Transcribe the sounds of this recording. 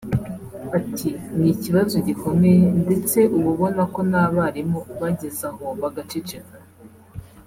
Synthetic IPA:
atʰinŋiciβazoɟiko̞mŋende̞t͡se̞ʔuβuβo̞nako̞naːβaɾimoβaɟe̞zahoβaɡat͡ʃit͡ʃi

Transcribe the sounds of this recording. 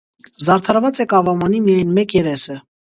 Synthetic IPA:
zɑɾt̪ʰɑɾvɑt͡sɛkɑvɑmɑnimijɑjnmɛkjɛɾɛsə

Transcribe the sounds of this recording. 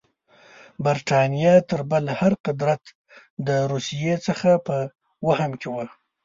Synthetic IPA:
baɾʈɑnijɑt̪əɾbəlhaɾqɪd̪ɾat̪ | d̪əɾusijet͡səxapə | wahəmkʰewə

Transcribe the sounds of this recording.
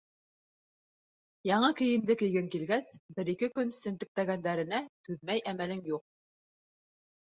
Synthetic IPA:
jɑɴɤkɘ̆jɘ̆md̪ɘkɘ̆jɡɘŋkilɡæsbɘ̆ɾikɘkɵnsɘ̆nt̪ɘ̆k̚t̪æɡænd̪æɾɘ̆næt̪ʉðmæjʔæmælɘŋjuq̚

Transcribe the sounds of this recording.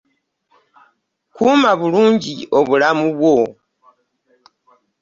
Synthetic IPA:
kuːmaβuluːɲɟio̞βulamuβwo̞

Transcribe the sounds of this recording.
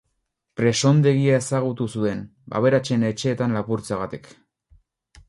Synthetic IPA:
pɾe̞so̞nd̪e̞ɣiae̞saɣ̞ut̪usue̞n | ba̰β̞e̞ɾat͡ʃe̞ne̞t͡ʃe̞ːt̪anlapuɾt͡saɣat̪ik

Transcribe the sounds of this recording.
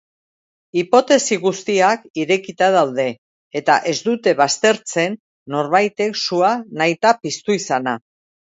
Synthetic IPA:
ipo̞t̪e̞siɣust̪iakiɾe̞kit̪aðawd̪e̞ | et̪a̰ʔe̞zd̪ut̪e̞βast̪e̞ɾt͡se̞nː | o̞ɾβajt̪e̞ksuanajt̪apist̪uisana

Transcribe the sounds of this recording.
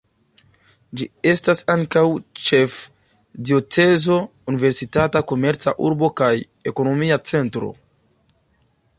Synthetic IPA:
d͡ʒie̞stasaŋkawt͡ʃe̞f | dio̞t͡se̞zo̞ | unive̞ɾsitatako̞me̞ɾt͡sa̰ʔuɾbo̞kaj | e̞ko̞no̞miat͡se̞ntɾo̞̰

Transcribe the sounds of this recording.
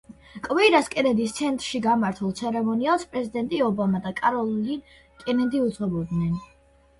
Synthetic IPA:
kʼvɛɾaskʼɛnɛnd̪ist̪sʰɛnt̪ʼɾʃiɡamaɾt̪ʰulˠt̪sʰɛɾɛmɔnialˠspʼɾɛzid̪ɛnt̪ʼiɔbamad̪akʼaɾɔlˠlin | kʼɛnɛnd̪iut̪sʁɔbɔd̪nɛn

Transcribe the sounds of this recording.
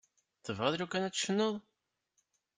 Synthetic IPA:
θəvɑðˤɾukːænæt͡sːʃənːəðˤ

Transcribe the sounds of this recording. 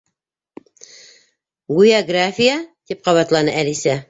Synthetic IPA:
ɡujaɡrafʲijat̪ip̚qɑβɑt̪lˠɑnɤʔælisæ

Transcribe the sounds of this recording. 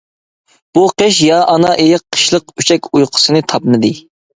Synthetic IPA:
b̥uqeʃjɑʔɑnɑʔejɪqʰːə̥ʃlˠəq̚yt͡ʃʰɛkʲujqʰʊ̥sɨnɨt̪ʰɑpnɨd̪ɨ

